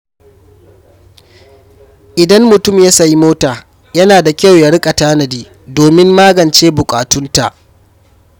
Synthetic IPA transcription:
ʔɪ˨dɐ˦mːʊ˨tʊ˦˨mja˦sa˨ji˦moː˦taː˨ | jɐ˦naː˨da˨kʲɐ˦wja˨ɽɪ˦kʼa˨taː˦nɐ˨diː˦ | doː˨mɪ˦mːaː˦ɡɐ˨nt͡ʃeː˦bʊ˨kʼaː˨tʊ˦nta˨ʔ

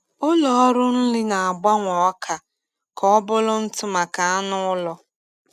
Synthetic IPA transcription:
ʊ˦lɔ˨ɔ˦ɾʊ˦n̩˦lɪ˦na˨a˨ɡ͡ba˦ŋʷɔ˨ɔ˦kʰa˨ | kɔ˦ɔ˦bʊ˦lʊ˦n̩˦tʊ˦ma˨ka˨a˦nʊ˦ʊ˦lɔ˦

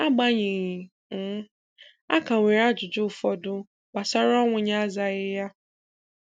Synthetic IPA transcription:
a˦ɡ͡ba˦ɲɪ˨ɣi˨˦ | a̰˦ka˨ŋʷe˨ɾa˦d͡ʒʊ˨d͡ʒʊ˦˨fɔ˦dʊ˦ | ɡ͡ba˨sa˦ɾɔ˦ŋʷʊ˨ɲa˦za˨ɣɪ˦ja˦

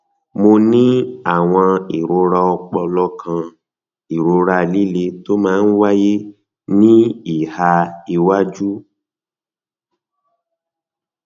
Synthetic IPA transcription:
mo˧nĩ˦a˦˨w̃ɔ̃˧i˨ɾo˨˧ɾa˧ɔ˧k͡pɔ˧lɔ˧˦kʰã˧ | i˨ɾo˧ɾa˦li˦le˧to˦mãː˦˧n̩˦wa˦je˦ | nĩ˦i˨ha˧i˧wa˦d͡ʒu˦

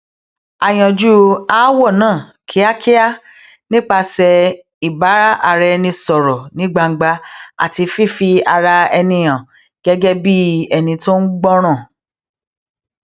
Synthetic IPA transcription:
a˨j̃ã˨d͡ʒu˦a˦wɔ˦˨nãː˦˨kʰi˦a˦kʰi˦a˦ | nĩ˦k͡pa˧sɛ˧ | i˨ba˨˦ɾa˦ʔa˧ɾɛ˧nĩ˧sɔ˨ɾɔ˨nĩ˨˦ɡ͡ba˧ŋ̩˦ɡ͡ba˧a̰˦˨ti˧fi˦˨fi˧a˧ɾa˧ɛ˧nĩ˧j̃ã˨ | ɡ̥ɛ˦ɡɛ˦bi˦ɛ˨nĩ˧to˦n̩˦ɡ͡bɔ˦ɾ̃ã˦˨

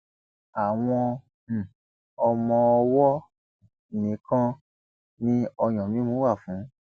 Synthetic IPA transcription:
a˨w̃ɔ̃˧˨ | ɔ˧mɔ̃˧ɔ˧wɔ˦˨ | nĩ˨˦kã˦ | nĩ˦ɔ˧j̃ɔ̃˨mĩ˨˦mũ˦wa˦˨fũ˨˦

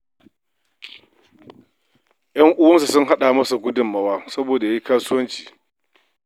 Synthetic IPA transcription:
jɐ˦ŋʔʊ˦wɐ˦nsu˨sʊ˦ŋɦa˦ɗa˨mɐ˦sa˨ɡʷʊ˦dʊ˨mːɐ˨waː˦sɐ˦boː˨da˨ja˦ji˦kaː˦sʊ˦wɐ˦nt͡ʃi̥ː˨

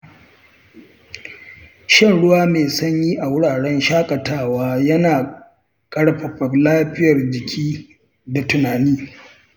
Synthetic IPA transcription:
ʃɪ˦˨nɽʊ˦waː˦meː˨sɐ˦ɲjiː˦ʔa˨wʊ˦ɽaː˨ɽɛ˦nʃaː˦kʼɐ˨taː˦waː˦jɐ˦naː˨ | kʼɐ˦ɽɸɐ˨ɸɐ˨rlaː˦ɸɪ˦jɐ˨rd͡ʒɪ˨kʲʰiː˦ | da˨tʊ˨naː˨niː˦

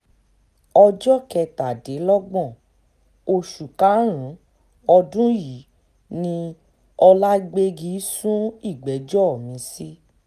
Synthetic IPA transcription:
ɔ˧d͡ʒɔ˦kɛ˧ta˨de˨˦lɔ˦ɡ͡bɔ̃˦˨ | o˧ʃu˨ka˨˦ɾ̃ũ˨˦ | ɔ˧dũ˦ji˨˦ | nĩ˧ | ɔ˧la˦ɡ͡be˧ɡi˧˦sũ˦i˦˨ɡ͡bɛ˨˦d͡ʒɔ˦˨mĩ˨˧˦si˦

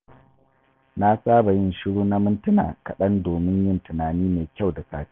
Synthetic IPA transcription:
na˦saː˦ba˨jɪ˦˨nʃɪ˦ɽuː˦na˦mɪ˦ntʊ˦na̰ː˨kɐ˨ɗɐ˦ndoː˨mɪ˦ɲjɪ˦ntʊ˨naː˨niː˦meː˨kʲa˦˨wda˨sa̰ː˨ti̥˦

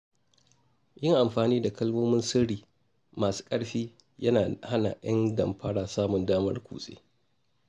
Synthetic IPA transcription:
jɪ˦ŋʔa˨mɸaː˨niː˦da˨kɐ˦lmoː˦mɪ˦nsɪ˦ɽiː˨ | maː˨su̥ː˦kʼɐ˦ɽɸiː˦ | jɐ˦naː˨ha˦na̰˨j̰ɐ̰˦ndɐ˨mɸʰa˦ɽaː˨saː˦mʊ˨ndaː˦mɐ˦rkʷṵː˨sʼḛː˦

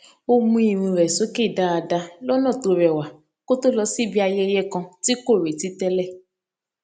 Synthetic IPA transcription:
o˦mũ˧i˨ɾ̃ĩ˧ɾɛ˨so˨˦ke˦˨da˦a˧da˧lɔ˦nɔ̃˦˨to˧ɾɛ˨wa˨ | ko˦to˦lɔ˧si˦bi˦a˧jɛ˦jɛ˦kã˧ti˦ko˦˨ɾe˨ti˨˦tɛ˦lɛ˦˨

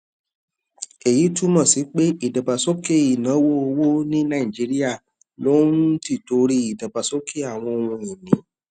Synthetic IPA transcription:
e˨ji˨˦tu˦mɔ̃˦˨si˨˦k͡pe˦i˦˨da˨ba˨so˦ke˦˨i˨nã˨˦wo˦o˧wo˦nĩ˦nã˦˨i˨d͡ʒi˨˦ɾi˦a˦˨ | lo˦nn˦ti˦˨to˨˦ɾi˦i˨da˨ba˨so˦kʰe˦˨a˦˨w̃ɔ̃˧o˨wũ˧i˨nĩ˨˦

